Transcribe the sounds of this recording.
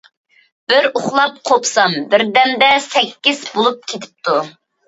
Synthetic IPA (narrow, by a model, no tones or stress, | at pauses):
b̥ɪɾʊχlˠɑp̚qʰopsɑmbɪɾd̪ɛnd̪ɛsɛkʲːiz̥bolˠup̚kʲʰet̪ʰɪ̥p̚t̪ʰu